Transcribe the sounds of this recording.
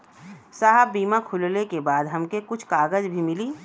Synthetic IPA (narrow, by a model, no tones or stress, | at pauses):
saːɦəbbiːmakʰʊllekebaːd̪ɦɐmkekʊt͡ʃʰkaːɡəzbʱimɪliː